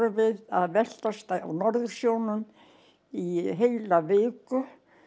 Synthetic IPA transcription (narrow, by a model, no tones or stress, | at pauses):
ɾʏvɪðaðvɛl̥t̪ast̪aa̰wnɔɾðʏɾ̥sjownʏn | iɦejlaveːkʏ